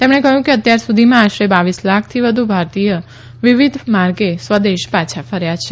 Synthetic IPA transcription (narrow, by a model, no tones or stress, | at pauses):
t̪emɽ̃ekəɦjũkeət̪jaɾsud̪ʱimãːʃɾebaʋislakʰt̪ʰiʋəd̪ʱubʱaɾt̪ijə | ʋiʋid̪ʱmaɾɡesʋəd̪eʃpat͡ʃʰafəɾjat͡ʃʰe